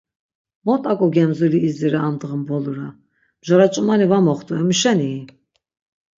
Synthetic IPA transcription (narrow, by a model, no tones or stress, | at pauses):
mɔt̪ʼakʼɔɡɛmzuliːziɾaːmd̪ʁəmbɔluɾa | mʒɔɾat͡ʃʼumanivamɔχt̪ʼuɛmiʃɛniː